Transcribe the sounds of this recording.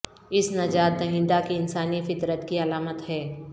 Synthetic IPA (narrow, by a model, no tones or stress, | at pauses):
ɪsnɐd͡ʒaːt̪̚d̪ɐɦɪ̃nd̪akiɪnsaːnifɪt̪ɾət̪kiɐlaːmət̪hɛː